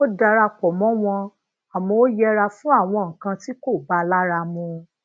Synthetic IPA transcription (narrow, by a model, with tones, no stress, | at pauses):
o˦da˧ɾa˧kɔ˨mɔ̃˨˦w̃ɔ̃˧ | a˨mɔ̃˧˦o˦jɛ˧ɾa˧fũ˦a˦˨w̃ɔ̃˧ŋ̩˨kã˧ti˦ko˦˨ba˦la˦ɾa˧mũ˧